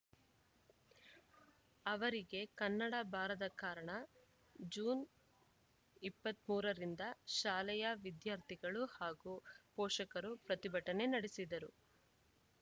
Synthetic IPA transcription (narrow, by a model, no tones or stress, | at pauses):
ɐʋɐɾiɡe̞kɐnːɐɽɐbʱaːɾɐd̪ɐkaːɾɐɳɐ | d͡ʒuːn | ipːɐt̪muːɾɐɾind̪ɐʃaːlɐjɐʋid̪jaːɾt̪ʰiɡɐɭuhaːɡupɔːʂɐkɐɾupɾɐt̪ibʱɐʈɐne̞nɐɽesid̪ɐɾu